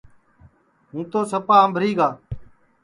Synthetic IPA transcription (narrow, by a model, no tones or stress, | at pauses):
ɦũːt̪oːsəpaːəmbʱɾiːɡaː